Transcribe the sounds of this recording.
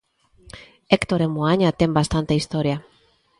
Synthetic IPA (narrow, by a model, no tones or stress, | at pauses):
ekt̪oɾemuaɲat̪embast̪ant̪eist̪o̞ɾia